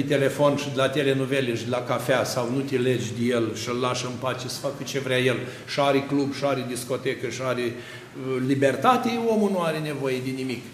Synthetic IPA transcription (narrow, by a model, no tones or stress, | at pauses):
t̪e̞le̞fo̞nʃid̪elat̪ele̞nuveleʃd̪elakafeasawnut̪ʲeled͡ʒʲd̪ejelʃiəlːaʃəmpat͡ʃesə̥fakɨt͡ʃe̞vɾʲajel | ʃiaɾeklubʃiaɾed̪isko̞t̪ekəʃiaɾe | libe̞rt̪at̪eo̞munuaɾene̞vo̞jed̪enimik